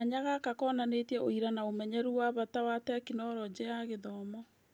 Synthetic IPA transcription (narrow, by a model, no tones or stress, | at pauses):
aɲaɣakakɔːnanetiɛoiɾanaomɛɲɛɾuwaβatawatɛkinɔɾɔd͡ʑeaɣeðɔːmɔ